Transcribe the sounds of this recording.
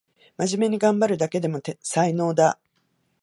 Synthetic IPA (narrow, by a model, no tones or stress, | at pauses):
maʑime̞ɲ̟iɡãmbaɾɯ̟d̪ake̞d̪e̞mo̞t̪saino̞ːd̪a